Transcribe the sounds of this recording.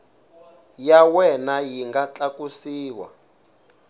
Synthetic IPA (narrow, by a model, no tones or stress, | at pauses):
jawɛnajiŋɡat͡ɬakusiːwa̰